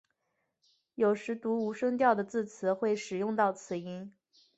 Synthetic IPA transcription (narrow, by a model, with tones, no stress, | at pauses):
jo˨˩ʊʂɻ̩˧˥t̪u˧˥u˧˥ʂɤ˥ŋt̪̬jɑ˥˩ʊd̪ə˩t͡sɹ̩˥˩t͡sʰɹ̩˨˧˥xwe˥˩ɪʂɻ̩˨˩jʊ˥˧ŋt̪ɑ˥˩ʊt͡sʰɹ̩˨˧˩i˧˥n